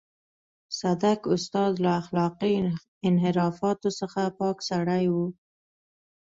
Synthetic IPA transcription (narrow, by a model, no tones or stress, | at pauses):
sad̪akʊst̪ɑd̪laːxlɑqi | ɪnɦɪɾɑfɑt̪osəxapɑksaɽajwu